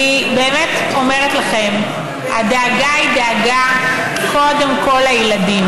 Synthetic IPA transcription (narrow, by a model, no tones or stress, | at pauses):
ibe̞ːmet̪ | o̞me̞ʁet̪laχe̞m | ha̰d̪aːɡaid̪aaɡa | kʰo̞d̪e̞mko̞lhajeladim